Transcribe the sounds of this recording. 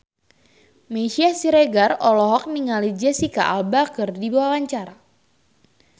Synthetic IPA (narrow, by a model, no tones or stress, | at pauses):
meʃiasiɾeɡarɔlɔɦɔk̚niŋalid͡ʒɛsika̰ʔalbakɨrdibawawaɲt͡ʃaɾa